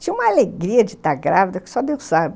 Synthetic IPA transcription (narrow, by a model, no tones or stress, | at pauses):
t͡ʃĩũmɐaaleɡɾiɐd͡ʒɪt̪aɾɡɾavid̪ɐkɪ̥sɔd̪ewsabɪ